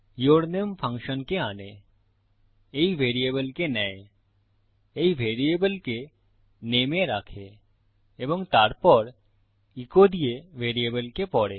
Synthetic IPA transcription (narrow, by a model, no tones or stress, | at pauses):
joːɾnejəmpʰə̃ŋkʃənkeaːne | eiʋeːɾijeːbəlkenɐe | eiʋeːɾieːbəlke | neːmẽɾaːkʰe | eːʋə̃ŋt̪aːɾpɔɾ | ɪkod̪ieʋeːɾieːbəlkepɔːɽeː